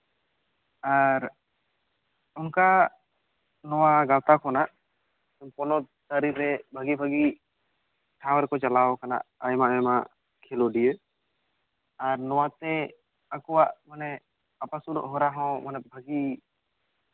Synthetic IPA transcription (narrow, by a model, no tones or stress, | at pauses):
aɾ | ʊnka | nɔwaɡalt̪akɔnaʔ | ɔmpɔnɔ | səɾiɾɛbʱəɡibʱəɡi | ʈʰãwɛɾkɔt͡ʃalaɔkana̰ʔajmaɛma | kʰeloɖijə | aɾnɔwat̪ɛ | əkɔwaʔmanɛ | apasuɾɔ̰ʔɦɔɾaɦɔ̃manɛbʱəɡi